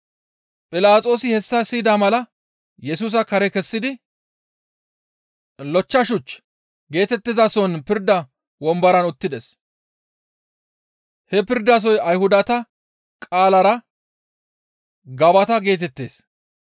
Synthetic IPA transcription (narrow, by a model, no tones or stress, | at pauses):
pʼɪlaːt͡sʼo̞ːsɪhɛsːɐsiːd̪amɐlɐ | jɛsuːs̬ɐkɐɾɛkɛsːɪd̪ɪ | lɔt͡ʃːɐʃʊt͡ʃː | ɡe̞ːt̪ɛt̪ːɪzɐsɔnpɪɾd̪ɐ | wɔmbɐɾɐnʊt̪ːɪd̪ɛs | hɛpɪɾd̪ɐs̬ɔjɐjhʊd̪ɐt̪ɐ | kʼaːlɐɾɐ | ɡɐbɐt̪ɐɡe̞ːt̪ɛt̪ːe̞̰ːs